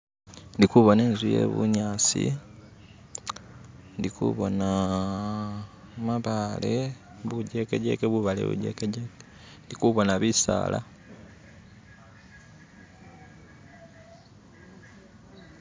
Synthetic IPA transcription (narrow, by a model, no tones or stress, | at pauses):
ndikuβo̞ne̞ːnzuje̞̰βṵɲaːsḭ | ndikṵβo̞na | maβale̞ | βuɟe̞keɟe̞̰keβuβalḛβṵɟe̞̰keɟeke̥ | ndikuβo̞naβisa̰ːlʔa̰